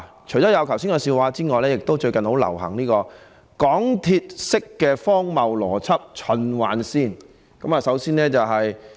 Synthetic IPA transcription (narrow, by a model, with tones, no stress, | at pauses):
t͡ʃʰɵ˨˩jɔː˨˥jɐ˨˧wkʰɐ˨˩wsiː˥ŋkɔː˧siː˧waː˨˧t͡siː˥ŋɔː˨jlɛː˥jɪ˨k̚t̪o˥wt͡ʃɵ˧ɥkɐ˨nho˨˥wlɐ̰˨˩whɐ̰˨˩ŋniː˥kɔː˧ | kɔː˨˥ŋt̪ʰiː˧t̚sɪ˥kːɛː˧fɔː˥ŋmɐ˨wlɔː˨˩t͡sʰɐ˥p̚t͡ʃʰɵ˨˧nwa̰ː˨˥nsiː˥n | kɐ˨˥maː˨sɐ˨˥wsiː˥nɛː˥t͡sɐ˨wɦɐ˨j